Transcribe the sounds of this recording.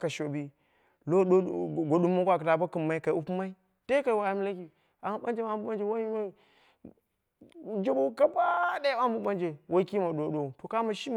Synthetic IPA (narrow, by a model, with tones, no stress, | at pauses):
ka˨ʃo˨bi˦ | lo˦ɗo˦˨ɡo˨ɗu˦mːa˦kʷa˨ka˨ta˨ba˦kɨ˨mːa˦i˦ka˨˦u˦pu˦ma˦i˦ | te˦ka˨i˨wa˨ja˦m˦la˦ki˨ | a˨ɓa˦nd͡ʒe˦ma˦bu˦ɓa˦nd͡ʒe˨wa˦ma˦˨ | d͡ʒe˦bo˦ka˦ba˦de˦ba˦bu˦ba˦nd͡ʒe˨wa˦ki˦ma˨ɗo˨˦ɗo˨to˨ka˦ma˨ʃi˦m˨